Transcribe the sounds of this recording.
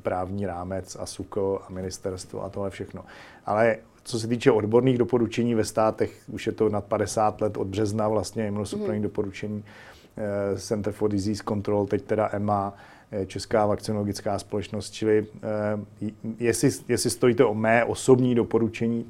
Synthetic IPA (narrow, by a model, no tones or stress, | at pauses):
pɾaːvɲiːɾaːmɛt͡sa̰suxk̩amɪnɪst̪ɛɾst̪vo̰ʔa̰t̪oɦlɛfʃɛxno̞ʔa̰lɛ | t͡so̞s̬ɛt̪̬iːt͡ʃɛʔo̞dbo̞ɾniːɣdo̞po̞ɾut͡ʃɛɲiːvɛst̪aːt̪ɛxuʃjɛt̪o̞nat̪̚padɛsaːt̪lɛt̪ʔo̞d̪̚br̝ɛznavlast̪ɲɛjɛmɛnosupɾniːdo̞po̞ɾut͡ʃɛɲiː | sɛnt̪ɾ̩foɾdɪziːsko̞nt̪ɾolt̪ɛct̪ɛdaʔɛma | jɛt͡ʃɛskaːvakt͡sɪnoloɡɪt͡skaːspo̞lɛt͡ʃnost̪̚t͡ʃɪlɪ | jɛsɪjɛsɪst̪o̞jiːt̪ɛʔomɛːʔo̞so̞bɲiːdo̞po̞ɾut͡ʃɛɲiː